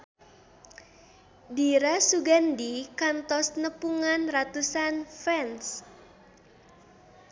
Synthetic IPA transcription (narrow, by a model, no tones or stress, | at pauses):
diɾasuɡandikant̪ɔsnəpuŋanrat̪usanfɛns